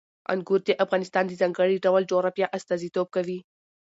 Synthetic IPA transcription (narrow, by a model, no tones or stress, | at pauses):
a̰nɡuɾd̪eʔafɣɑnɪst̪ɑnd̪əzɑŋɡəɽiɖawalɖoɾapjɑʔast̪ɑzit̪ob̚kawi